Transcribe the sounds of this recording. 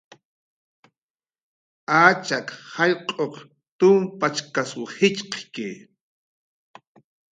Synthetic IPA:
aːt͡ʃakhaʎqʼoq | t̪ʊmpat͡ʃkaswhɪt͡ʃqkɪ̰

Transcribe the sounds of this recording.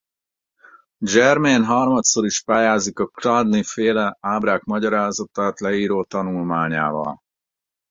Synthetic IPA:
d͡ʒɛrmeːnɦɒrmɒt̪soɾiʃpaːjaːzikɒkrad̪nifeːlɛaːbɾaːkmɒɟɒɾaːzɒt̪aːt̪lɛiːɾoːt̪ɒnulmaːɲa̰ːvɒ̰l

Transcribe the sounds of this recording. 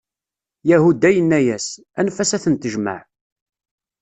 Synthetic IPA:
jæhud̪æjənːæjæs | ænfæsæθənt̪əʒmə̰ʕ

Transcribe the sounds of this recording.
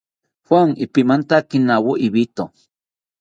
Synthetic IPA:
xwaŋipimant̪akinawoʔiβit̪o

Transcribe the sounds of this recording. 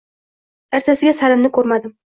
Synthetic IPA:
ɪɾt̪ʰasɪɡʲasalɪmnɪkʰɵɾmad̪ɪm

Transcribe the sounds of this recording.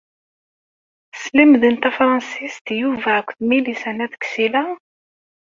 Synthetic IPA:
slimðənt̪æfɾˤɑnsist̪juvækʷːθmilisænæðksilæ

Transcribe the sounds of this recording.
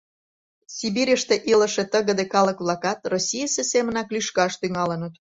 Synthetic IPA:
sʲibiɾʲəʃt̪eʔilə̆ʃĕt̪əɣə̆d̪ekɑləkβlɑkɑt̪rosʲijəsesemə̆nɑklyʃkɑʃt̪yŋɑlənət̪

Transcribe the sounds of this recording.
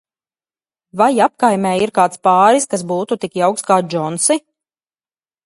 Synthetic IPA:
vajap̚kajmʲɛːiɾkaːt̪spaːɾiskas̬buːt̪ut̪ikjawkskaːd͡ʒɔnsi

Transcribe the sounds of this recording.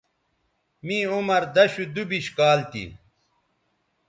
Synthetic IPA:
mĩːumɐɾd̪ɐɕud̪ubiɕkaːlt̪ḭ

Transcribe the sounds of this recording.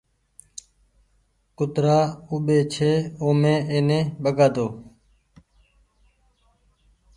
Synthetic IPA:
kʊt̪ɾaːuːɓeːt͡ʃʰeːoːmẽːeːnẽːɓəɡaːd̪oː

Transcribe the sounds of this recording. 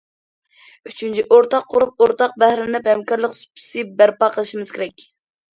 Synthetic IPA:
yt͡ʃʰynt͡ʃʰiʔoɾt̪ʰɑqʰːʊɾup̚oɾt̪ɑq̚bæhɾɪnɪphɛmkɑɾlˠəqsu̥pʰɪ̥sɨbæɾpɑqʰəlˠɨʃimɨz̥kʲeɾɛkʲ

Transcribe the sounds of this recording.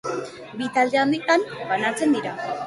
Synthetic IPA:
bit̪ald̪eand̪it̪anbanat͡se̞nd̪iɾa

